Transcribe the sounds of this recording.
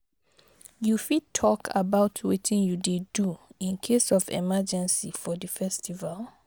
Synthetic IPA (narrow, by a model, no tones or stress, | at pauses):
jufid̚tʰːɔkʰa̰baʊtʰwitʰĩnjudeduĩnkʰesɔfɛ̰mad͡ʒɛ̃nsifɔdəfɛstʰival